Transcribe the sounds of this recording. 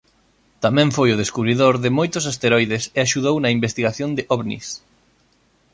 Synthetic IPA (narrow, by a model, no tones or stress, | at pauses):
t̪amɛ̃ɱfojʊð̞eskuβɾiðoɾðɪmojt̪ʊsast̪eɾɔjðeseaʃuðownɐimbest̪iɣaθjõnd̪ɪʔɔβnḭs